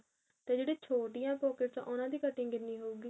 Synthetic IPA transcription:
t̪eːd͡ʒeːɽeːt͡ʃʰoːʈɪjãːpoːkəɾt͡ʃã̰ːʔʊnãːd̪iːkəʈːĩːɡɪnːiːɦoːuːɡiː

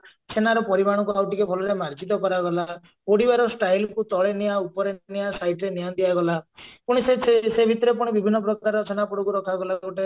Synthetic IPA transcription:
t͡ʃʰenaɾɔpɔɾibaɽ̃ɔkuawʈikebʰɔlɔɾemaɾd͡ʒit̪ɔkɔɾaɡɔla | oɽibaɾɔsʈajlkut̪ɔɭenijaupɔɾenijasajʈɾenijand̪iaɡɔlapuɽ̃isesebʱit̪ɔɾepuɽ̃ibibʱinːɔpɾɔkaɾɔt͡ʃʰenapɔɽɔkuɾɔkʰaɡɔlaoʈe

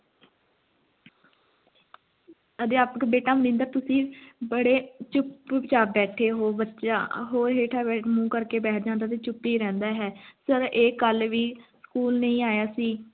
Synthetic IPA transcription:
əd̪eːaːpkbeːʈaːmənɪ̃nd̪əɾt̪ʊsĩːbəɽeːt͡ʃʊpːt͡ʃaːbɛːʈʰeːɦoːbətːʃa̰ːɦoːɾɦeːʈʰaːbɛːʈʰmũːkəɾkeːbɛːʈ̚ʰd͡ʒãːnd̪aːt̪eːt͡ʃʊpːiːɾɛ̃ːnd̪aːɦɛːsəɾeːkəlʋiːskuːlnəĩːaːjaːsiː

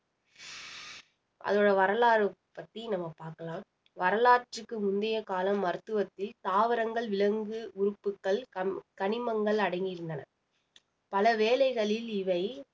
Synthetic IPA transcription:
ʔɐ̰ðoːɽɐʋɐɾɐlaːɾɯpːɐt̪ːinɐmːɐpaːɾkɐlãːm | ʋɐɾɐlaːʈɯkːɯmʊnd̪ɐjɐkaːlɐmːɐɾɯt̪ːɯʋɐt̪ːɪlt̪aːʋɪɾɐŋɡɐɭʋɪlɐŋɡɯʊɾɯpːɯkːɐɭkɐɳɪmɐŋɡɐɭɐɽɐɪŋɡɪɾɯnd̪ɐnɐ | pɐlɐʋeːlɐɪɣɐɭɪlɪʋɐɪ

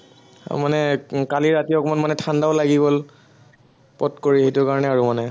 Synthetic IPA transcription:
manɛkaliɹatijɔkmanmanɛtʰandaɔlaɡibɔl | pɔtkoɹiɦetʊkaɹɔnɛaɹumanɛ

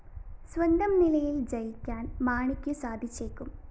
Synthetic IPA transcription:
swɐnd̪ʱɐmnilɐjild͡ʑɐjikʲːaːnmaːɳikʲːusaːd̪ʱit͡ɕːeːkːum

